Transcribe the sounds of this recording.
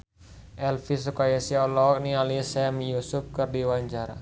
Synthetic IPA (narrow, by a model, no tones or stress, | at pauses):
ʔɛlfis̬ukajasiɔlɔk̚nialisɛmjusup̚kɨrdiwaɲd͡ʒaɾa̰